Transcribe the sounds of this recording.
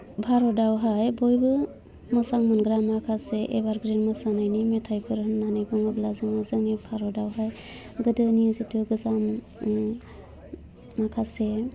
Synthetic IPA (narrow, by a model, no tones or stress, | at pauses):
bʱaɾɔdawɦajbojbɯ | mɯsaŋmɯnɡɾamakʰaseʔebaɾɡɾinmɯsanajnimetʰajpʰɯɾɦɯnːanɯjbɯŋɯblazɯŋɯzɯŋepʰaɾɔdawɦaj | ɡɯdɯnijɯzitʰɯɡɯzam | makʰase